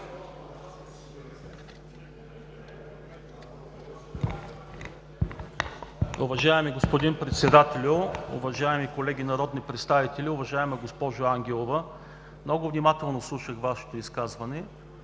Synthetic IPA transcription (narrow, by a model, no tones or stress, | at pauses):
ʊvɐʒaɛmiɡospod̪inpɾɛt̪sɛd̪at̪ɛlʲʊʊ̰vɐʒaɛmikolɛɡʲinɐɾɔd̪nipɾɛt̪st̪avit̪ɛlʲiʊvɐʒaɛmɛɡospɔʒʊaŋɡʲɛlˠovə | mnɔɡʊvnimat̪ɛlˠnoslˠuʃəxvaʃɛ̥t̪oiskazvɐnɛ